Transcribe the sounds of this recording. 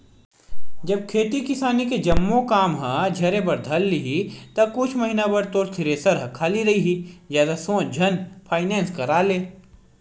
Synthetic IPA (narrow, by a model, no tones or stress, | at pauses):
d͡ʒɐb̚kʰeːt̪ikɪsaːniked͡ʒɐmːõkaːmɦãd͡ʒʱɐɾẽbɐɾd̪ʱɐlːiɦit̪ɐkʊt͡ʃʰmɐɦinabɐɾt̪oːɾt̪ʰɪɾesɐɾɦɐkʰaːliɾɐɦiɦizjaːd̪asõːt͡ʃd͡ʒʱɐnpʰaːɪnɛ̃ːnskɐɾaːleː